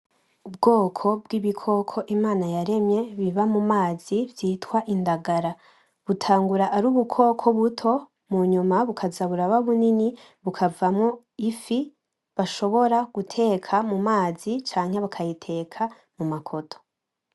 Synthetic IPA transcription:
ub̚ɡo̞ːkʰo̞bɡiβikʰo̞kʰo̞ʔimaːnajaɾe̞mɲe̞βiβamumaːz̥ivjiːtwaʔindaɡaɾa | βutʰaːŋɡuɾaʔːɾuːβukʰo̞kʰo̞βutʰo̞ | muɲumaβukʰazaβuɾaβaβunini | βukʰavamŋo | ifi | βaʃo̞βo̞ɾaɡ̥utʰe̞kʰamumaːzit͡ʃaːŋ̥he̞βakʰajitʰe̞kʰa | mumakʰo̞tʰo̥

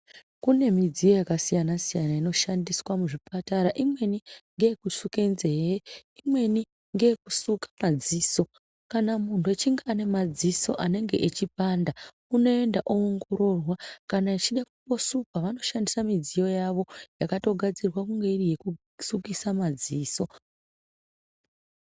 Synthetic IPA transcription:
kune̞mid͡zijo̞jakasijanasijanaino̞ʃandiswamuʐipataɾaʔimwe̞niŋɡe̞kusuke̞nzejeimwe̞ni | ŋɡe̞ekusukḁmad͡ziːso̞ | kanamuntuet͡ʃiŋɡeane̞mad͡ziso̞ʔane̞ŋɡe̞̰ʔet͡ʃipanda | uno̞e̞ndaʔoːŋɡo̞ɾo̞rwakanait͡ʃiɗakupo̞sukaʋano̞ʃandisamid͡zijo̞jaʋo̞jakato̞ɡʱad͡zirwakuŋɡe̞irije̞ku | sukisamad͡ziːso̞

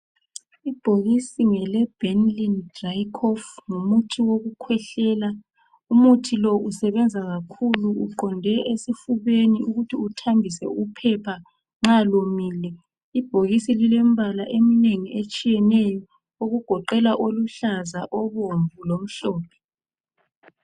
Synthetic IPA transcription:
ib̥ʱoɣisiŋɛlɛb̥ʱɛnlindrajkʰɔfŋumutʰiwoɣukʰwɛɬɛːla | umutʰilɔusɛβɛnd͡zʱaɣakʰuluuǃɔndʱɛʔesifuβeniuɣutʰiutʰambʱisɛ̰upʰɛpʰa | ŋ͡ǁalomiːlɛ | ib̥ʱoɣisililɛmbʱalaʔemineŋiet͡ʃʼijɛnɛjɔ | oɣuɡ̥ʱɔǃɛlaʔoluɬazaʔɔβoɱvulom̩ɬɔːpʰɛ̥

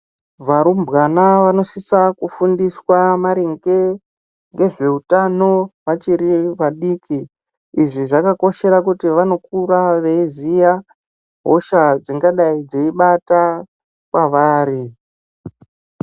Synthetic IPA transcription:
ʋaɾumbɣanaʋano̞sisakufundiswamaɾeŋɡe̞ | ŋɡe̞ʐe̞utano̞ʋat͡ʃiɾiʋaɗiːkiː | ʐiʐakako̞ʃe̞ɾakutiʋano̞k̚uɾaʋe̞izija | ɦoʃad͡ziŋɡaɗaid͡zeiɓata | kwaʋaːɾi

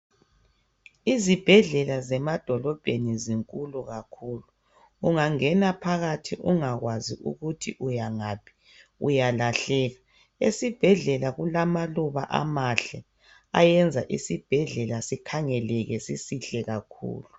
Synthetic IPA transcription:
izib̥ʱɛɮɛlazɛmad̥ʱɔlɔb̥ʱeniziŋkʼuluɣakʰuːluː | ŋaŋɛnapʰaɣatʰiʔuŋaɣwazḭʔṵɣutʰḭʔujaŋapʰi̥ | ṵjalaɬɛɣa | esib̥ʱɛɮɛlaɣulamaluβa̰ʔa̰maɬɛ̰ | a̰jɛnd͡zʱaʔisib̥ʱɛɮɛlasikʰaŋɛlɛɣɛsisiɬɛɣakʰṵːlu

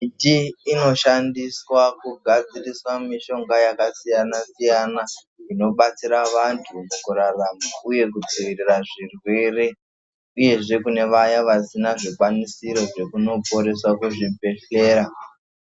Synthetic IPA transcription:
itiːno̞ʃandiswakuɡʱad͡ziriswamiʃo̞ŋɡajakasijanasijana | ino̞ɓat͡siɾaʋantʰumukuraramauje̞k̬ud͡ziʋiriraʐirwere̞ | uje̞ʐe̞kune̞ʋajaʋasinaʐikwanisiɾo̞ʐe̞kuno̞po̞ɾe̞swakuʐipe̞ɬe̞ːɾa

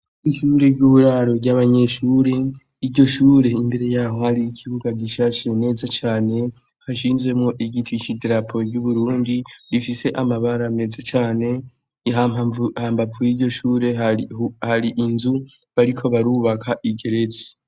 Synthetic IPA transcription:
iʃuːɾe̞ɾɟuβuɾaɾo̞ɾɟaβaɲe̞ʃuːɾe | iɾɟo̞ʃuːɾe̞imbe̞ɾe̞jaːɦo̞haɾiːkʰiβuɡaɟiʃaʃiene̞ːzat͡ʃaːne̞ | haʃiːnzwe̞mŋoʔiɡitʰiʃidɾapʰoɾɟuβuɾuːndiɾifise̞ʔamaβaɾame̞ːzat͡ʃaːne̞ | ɦaahaːmbapujiɟo̞ʃuːɾe̞ | haɾiʔinzu | βaɾikʰo̞βaɾuːβakʰaʔiɡe̞ɾe̞ze̥

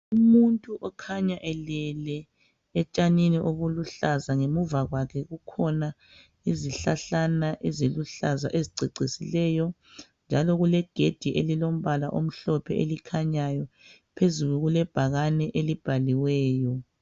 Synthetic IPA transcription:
umuntʼuʔɔkʰaɲaʔɛlɛlɛ | ɛt͡ʃʼaniniʔoβuluɬazaŋemuvaɣwakʰɛɣukʰɔna | iziɬaɬanaʔɛzeluɬaza̰ʔeziǀʱiǀisilɛjɔ | nd͡ʒʱalɔɣulɛɡ̥ʱed̥ʱiʔelilom̩βala̰ʔom̩ɬɔpʰɛʔelikʰaɲajɔ | pʰezuɣuɣulɛb̥ʱaɣanɛʔelib̥ʱaliwɛːjɔ

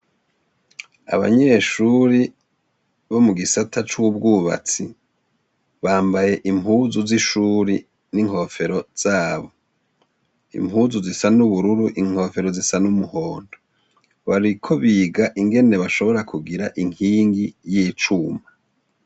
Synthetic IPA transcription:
a̰βa̰ɲe̞ːʃuɾi | βo̞muɡisatat͡ʃuub̚ɡuːβa̰t͡si | βaːmbaje̞ʔimhuːzuziʃuːɾi | niŋho̞fe̞ɾo̞z̥aːβo̞ | ḭmhuːzuzisanuβuɾuɾuʔiŋ̥ho̞fe̞ɾo̞zisanumuho̞ːndo | βaɾikʰo̞βiːɡaʔiŋɡe̞ne̞βaʃo̞βo̞ɾakʰuɡiɾaʔiŋiːŋɡijiːt͡ʃuːma

